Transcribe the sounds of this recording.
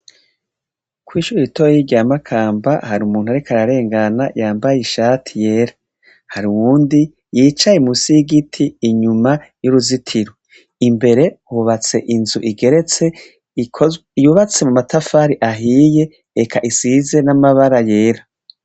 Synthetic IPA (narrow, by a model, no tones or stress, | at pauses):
kwiːʃuɾiitojjiɟamakʰaːmbahaɾumuːn̥uaɾikʰaɾaɾe̞ːŋɡanajaːmbajiʃaːtʰije̞ːɾa | haɾiwuːndi | jiːt͡ʃajemusiɡitʰiːɲumajuɾuzitʰiɾo | imbe̞ɾe̞huβat͡se̞ʔinzuʔiɡe̞ɾet͡se | juβat͡se̞mumatafaɾiʔaɦije̞ː | kʰaʔisize̞namaβaɾaje̞ːɾa